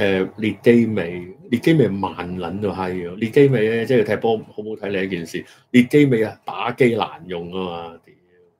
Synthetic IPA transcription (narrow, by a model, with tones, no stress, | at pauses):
ʔɛː˨liː˧t̚ke˥jme˨˧jliː˧t̚ke˥jme˨˧˩jmaː˨nlɐ˨˥nɐ˧ɦɐ˨˧jliː˧t̚ke˥jme˨˧jɛ˧˥t͡sɛː˥˩ji˨˧t̪ʰɛ˧pɔː˥m˨˩ho˨˥wmo˨˧wt̪ʰɐ˨˥jle˨˧jɐ˦˥kiː˨nsiː˨ | liː˧t̚ke˥jme˨˧ja˧t̪aː˨˥ke˥jla̰ː˨˩njʊ˨ŋkaː˥maː˧t̪iː˨˦m˧